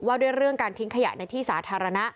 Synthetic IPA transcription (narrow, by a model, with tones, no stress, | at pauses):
waː˥˩duː˥˩əjɾɯ˥˩əŋkaː˧nt̪ʰi˦˥ŋkʰa˧ja̰˨˩ʔna˧jt̪ʰiː˥˩saː˩˦˥t̪ʰaː˧ɾa˧na˦˥ʔ